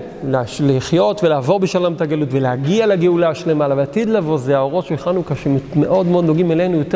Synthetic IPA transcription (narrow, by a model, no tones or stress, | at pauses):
leʃliχjo̞tvelaːvo̞ʁbeʃalomt̪aɡalutveleaɡialeɡeulaʃelemalaveat̪id̪lavo̞zeao̞ʁo̞tʃeeχalnukaʃemme̞ʔo̞d̪meo̞d̪noɡimelenujote